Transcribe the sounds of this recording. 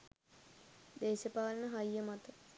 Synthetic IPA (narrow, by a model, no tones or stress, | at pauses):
d̪eːsəpaːlənəɦajːəmat̪ə